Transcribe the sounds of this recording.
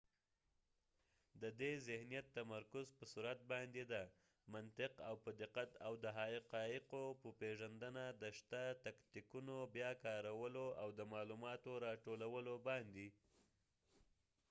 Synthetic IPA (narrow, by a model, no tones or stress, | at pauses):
d̪əd̪ezɪhnijat̪ːamaɾkʊzpəsuɾat̪̚bɑnd̪ed̪a | mant̪ɪqawpəd̪ɪqat̪awd̪əɦɑɪqɑɪqopəpeʒand̪ənad̪əʃt̪at̪akt̪ikunobjɑkɑɾawəloawd̪əmɑlumɑt̪oɾɑʈolawəlobɑnd̪i